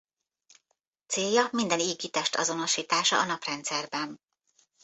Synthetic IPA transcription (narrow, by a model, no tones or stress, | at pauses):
t̪seːjːɒmind̪ɛniːɡit̪ɛʃt̪ʰɒ̰zo̞no̞ʃiːt̪aːʃɒ̰ʔːnɒprɛnt̪sɛrbɛn